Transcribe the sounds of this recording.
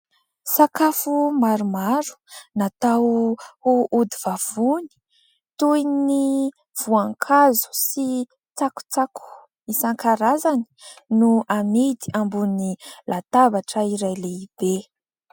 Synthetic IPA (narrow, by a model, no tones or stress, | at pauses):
sakafumaɾumaɾu̥nat̪ahuʔud̪iv̥av̥uni̥ | t̪ujni | v̥uaŋkʰazu̥si | t͡saku̥t͡sakʰu̥ | isaŋkaɾazani̥nuamid̪iambunilʔat̪avaʈ͡ʂəiɾajleib̥e